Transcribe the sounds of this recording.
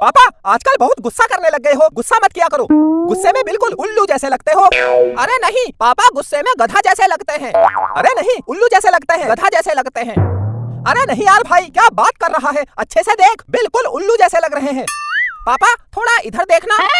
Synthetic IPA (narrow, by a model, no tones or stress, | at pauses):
paːpaaːd͡ʒkəlbɐɦʊt̪ɡʊsːakɐɾnelɐɡːəeɦoɡʊsːamɐt̪kijakɐɾoːɡʊsːemẽbɪlkʊlʊlːud͡ʒɛːselɐɡ̚t̪eɦoːɐɾenɐɦĩpaːpaɡʊsːemẽɡɐd̪ʱad͡ʒɛːselɐɡt̪eɦɛ̃ːɐ̰ɾenɐɦĩʊlːud͡ʒɛːselɐɡ̚t̪eɦɛ̃ɡɐd̪ʱad͡ʒɛːselɐɡt̪eɦɛ̃ːɐɾenɐɦĩaːɾbʱaːikjaːbaːt̪kɐɾːɐɦaɦɛɐtːʃʰesed̪eːkʰbɪlkʊlʊlːud͡ʒɛːselɐɡɾɐɦeɦɛ̃ːpaːpat̪ʰoːɽaɪd̪ʱəɾd̪eːkʰnaː